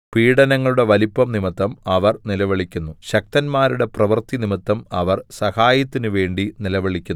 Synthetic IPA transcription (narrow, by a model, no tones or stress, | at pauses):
piːɽɐnɐŋːɐɭuɽe̞ʋɐlipːɐmnimɐt̪ːɐmɐʋɐrnilɐʋɐɭikʲːunːuɕɐk̚t̪ɐnmaːɾuɽe̞prɐʋɐrt̪inimit̪ːɐmɐʋɐrsɐhaːjɐt̪ːinɨʋe̞ːɳɖinilɐʋɐɭikʲːunː